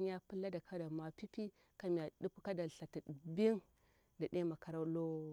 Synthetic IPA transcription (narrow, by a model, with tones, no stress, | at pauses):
ɲ˦a˦pɨ˦lːa˦da˨kʰa˦da˨ma˨pi˦pi˦ | ka˨m˨a˨ɗu˦pka˦da˨ɬa˨ta˨bi˦ŋ | da˨de˦ma˨ka˨ɾa˦lo˦